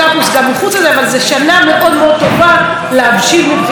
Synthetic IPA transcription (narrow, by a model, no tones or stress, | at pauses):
apusɡamːiχut͡selzeavalzeʃaname̞ʔo̞d̪meo̞d̪̚t̪o̞va | leabʃilmibd